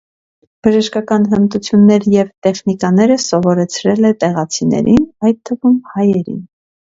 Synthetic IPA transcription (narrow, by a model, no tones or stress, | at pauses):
b̥əʒəʃkɑkɑnɦənt̪ut͡sʰjunːɛɾjɛvt̪ɛχnikɑn̪ɛɾəsɔvɔɾɛt͡sʰɾɛlɛt̪ɛʁɑt͡sʰinɛ̰ɾinɑjtt̪ʰːəvumhɑjɛɾḭn